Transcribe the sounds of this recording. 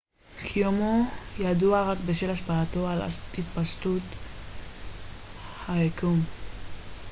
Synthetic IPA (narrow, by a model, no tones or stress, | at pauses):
kʰijomojad̪uaʁakbeʃelaʃpaːt̪oala̰hit̪paʃt̪ut̪ | haekum